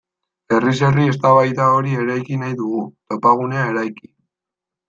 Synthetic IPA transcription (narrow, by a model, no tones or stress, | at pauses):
e̞ris̬e̞rie̞st̪aβajt̪ao̞ɾie̞ɾajkinajðuɣ̞ut̪o̞paɣ̞une̞ae̞ɾajki̥